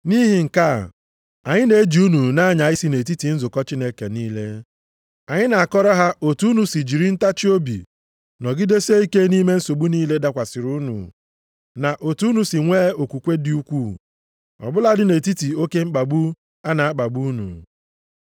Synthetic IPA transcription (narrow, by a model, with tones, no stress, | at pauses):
ni˦ɦi˨ŋ̩˨ka̰˦˨ | a˨ɲɪ˦ne˨e˦d͡ʒi˨u˦nu˨na˦ɲa˨ɪ˦si˦ne˨ti˦ti˨n̩˦zʊ˨kɔ˦t͡ʃi˦ne˦ke˨niː˦le˦ | a˨ɲɪ˦na˨a˨kɔ˦ɾɔ˦ɦa˦ʔo˨tu˨˦nu˨si˨d͡ʒi˨ɾi˦n̩˦ta˦t͡ʃi˦o˦bḭ˨ | nɔ˨ɡɪ˦de˦se˦i˦ke˦ni˦me˦n̩˦so˨ɡ͡bu˦niː˦le˦da˦kʷa˨sɪ˨ɾu˦nṵ˨ | na˨ʔo˨tu˦nu˨si˨ŋʷeː˦o˨kʷu˨kʷe˦dɪ˦u˦kʷu˦˨ | ɔ̰˨bʊ˦la˦dɪ˦ne˨ti˦ti˨o˦ke˦ŋ͡m̩˦k͡pa˨ɡ͡bu˦ | a˦na˨a˦k͡pa˨bu˦nṵ˨